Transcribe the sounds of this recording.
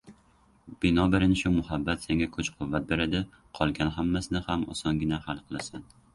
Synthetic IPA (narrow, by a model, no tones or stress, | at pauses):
b̥ɪnɒbaɾɪnɪʃʊmʊhabːat̪seŋɡʲakʰɵt͡ʃqʰʊvːat̪̚be̞ɾad̪ɪ | qʰɒlˠɡʲanɦamːasɪnɪhamɒ̰sɒŋɡʲɪnahalˠqʰɨlˠasan